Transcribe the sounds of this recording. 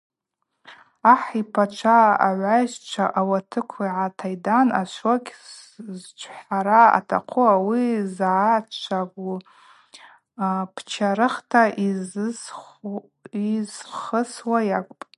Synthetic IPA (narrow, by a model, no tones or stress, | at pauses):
aħipʰat͡ʃʷʰaaʕʷaʒt͡ʃʷʰaʔawatʰɨkʷʰaiʕatʰajdana̰ʃʷoɡʲzt͡ʃʷʰħaɾaa̰tʰa̰qʷʰʊawizʕat͡ʃʷʰaɡʷu | pʰt͡ʃʰaɾɨχtʰaʔiz | izχəswajakʷʼpʼ